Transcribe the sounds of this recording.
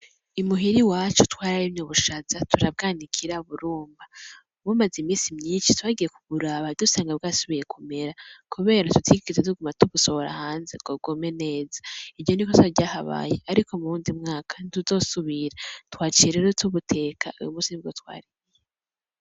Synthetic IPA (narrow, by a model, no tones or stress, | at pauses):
imuɦiɾiwaːt͡ʃu̥twaːɾajimɲoβuʃazatʰuɾab̚ɡaːnikʰiɾaβuɾuːmba | βumazimiːnsimɲiːnʃitwaːɡije̞kuβuɾaβadusaːŋɡabɡaːsuβije̞kʰume̞ɾakuβe̞ːɾatutʰiɡiizetuɡumatuβuso̞βoɾa̰haːnzeɡoɡome̞ne̞ːzaivɟo̞nikotaɟaːhaβa̰ːjeaɾiko̞muɾuːndimŋaːkʰḁnituzo̞suβiɾatwaːt͡ʃiɾeɾotʰuβutʰe̞ːkʰaṵjṵmuːnsiniβɡotwa̰ːɾiie